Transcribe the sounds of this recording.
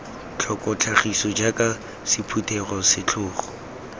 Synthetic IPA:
t͡ɬʰɔkʼɔt͡ɬʰaχisɔd͡ʒaka | sɪpʰutʰʼɛɣɔsɪt͡ɬʰʊːχɔ̥

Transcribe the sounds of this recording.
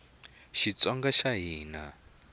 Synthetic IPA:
ʃit͡sɔŋɡaʃaɦiːna

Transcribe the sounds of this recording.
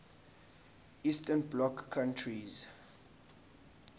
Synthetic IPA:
istʰɛnblɔkʰːãntʰɹiz

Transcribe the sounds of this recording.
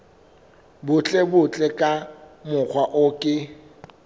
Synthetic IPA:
bʊt͡ɬʼɛbʊt͡ɬʼɛkʼamʊk͡xʰwaʔʊkʼɪ

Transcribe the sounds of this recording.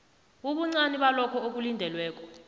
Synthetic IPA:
uɓuŋ͡ǀaniɓalɔkʰɔok̬ulindʱɛlwɛːk̬ʼɔ̥

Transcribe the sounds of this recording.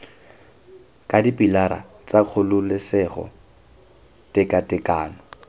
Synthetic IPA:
kʼadipʼilaɾa̰ | t͡saq͡χʰʊlʊlɪsɛχɔ̰ | tʼɪkʼatʼɪkʼaːnɔ

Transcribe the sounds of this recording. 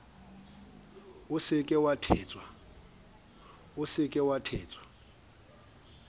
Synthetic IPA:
ʊsɪkʼɛwatʰɛːt͡sʼwa | ʊsɪkʼɛwatʰɛːt͡sʼwḁ

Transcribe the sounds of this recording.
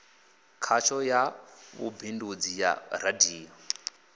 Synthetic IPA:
kʰat͡ʃʰɔjaβṵbʱindud͡zija̰ɾadiːɔ

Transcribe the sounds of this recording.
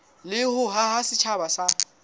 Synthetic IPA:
lɪhʊɦahasɪt͡ʃʰabasa

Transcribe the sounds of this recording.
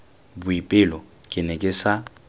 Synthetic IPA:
bʊipʼɪlɔ | kʼɪnɛkʼɪsa

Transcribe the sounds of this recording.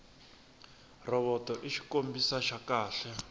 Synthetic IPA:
rɔβɔtɔʔiʃi̥kombisaʃakaːɬɛ

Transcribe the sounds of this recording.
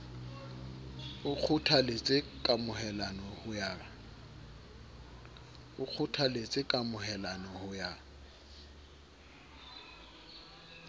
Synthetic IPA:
ʊk͡xʰʊtʰalet͡sʼɪkʼamʊhɛlanɔhʊjaːa | ʊk͡xʰʊtʰalet͡sʼɪkʼamʊɦɛlanɔhʊjaː

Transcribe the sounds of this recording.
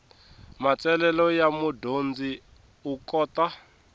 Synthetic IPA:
mat͡sɛlɛlɔjamudond͡zi | ukɔːt̪a

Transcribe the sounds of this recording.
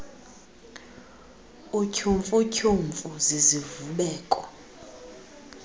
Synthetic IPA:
ucʰuɱfʼucʰuɱfʼuzizivuɓɛːkʼɔ

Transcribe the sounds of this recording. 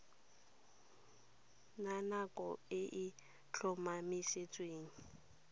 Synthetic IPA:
nanakʼɔɪʔɪ | t͡ɬʰɔmamɪʃet͡sʼweːŋ̩

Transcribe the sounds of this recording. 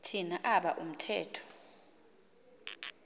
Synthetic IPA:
tʰinaʔaɓaʔum̩tʰɛːtʰɔ̥

